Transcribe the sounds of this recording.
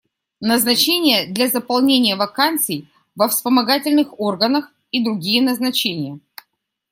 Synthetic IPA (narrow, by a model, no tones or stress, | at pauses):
nəznɐt͡ɕenʲɪjəd̪lʲazəpɐlˠnʲenʲɪjəvɐkant̪sɨj | vəfspəmɐɡatʲɪlʲnɨxo̞rɡənəx | id̪ɾʊɡʲijənəznɐt͡ɕenʲɪjə